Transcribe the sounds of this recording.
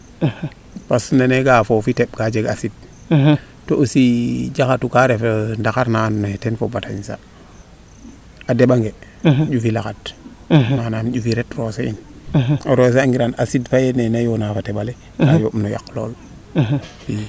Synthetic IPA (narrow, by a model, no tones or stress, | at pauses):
pasneneɡafofiteɓkad͡ʒeɡasid̚ | toosid͡ʒakatukaɾefendakaɾnanetenfobataɲsa̰ | adeɓaŋɡe | ɟufilakat | manamɟufiɾetroseinoɾos̬eaŋɡiɾanasidfajenenajonafateɓale | kajomnoja̰klo̰l | fi